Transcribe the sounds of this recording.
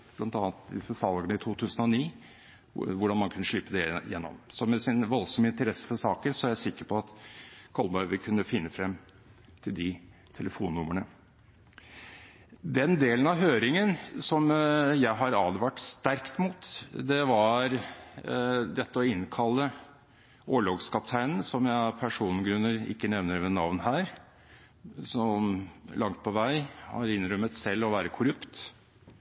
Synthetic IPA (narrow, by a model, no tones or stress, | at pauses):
b̥lɑnt̪ɑːnt̪̚d̪ɪsəsɑlɡənəɪt̪ʰuːt̪ʰʉːsənɔniː | ʋʊɖɑnmɑnkʰʉnːəʂlɪpːəd̪ɛjɛ̰nːɔ̰msɔmɛsɪnʋɔlsɔməɪnt̪əɾɛsːə̥fɔʂɑːkəɾsɔæɾjæɪsɪkːəɾpʰɔɑt̪kʰɔlbɑʏʋɪkʰʉnːəfɪnːəfɾɛmː | t̪ʰɪld̪ɪ | t̪ʰɛləfuːnːʊməɳə | d̪ɛnd̪eːlənɑʋɦøːɾɪŋənsɔmjæɪɦɑɾɑːd̪ʋæʈst̪æɾkt̪muːt̪d̪ɛʋɑɾ | d̪ɛt̪ːəɔɪnːkʰɑlːə | oːɭɑːɡskʰɑpt̪ʰæɪnən̩sɔmjæɪpʰæʂuːnn̩ɡɾʉnːəɾɪ̰kːənɛʋnəɾmɛnɑ̰ʋnhæːɾ | sɔmlʔɑŋt̪̚pʰɔʋæɪhɑ̰ɾɪnɾœmət̪sɛlːɔʋæːɾəkʰʊɾʉpt̪